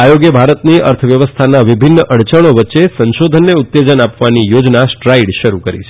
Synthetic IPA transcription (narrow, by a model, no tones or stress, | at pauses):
ajoɡjəbʱaɾət̪niə̰ɾt̪ʰəʋjəʋəst̪ʰanaʋibʱinːəʔəɽt͡ʃəɽ̃oʋətːʃesə̃nʃod̪ʱənːeut̪ːed͡ʒənapʋanijod͡ʒnasʈɾaiɽʃəɾukəɾḭt͡ʃʰe̥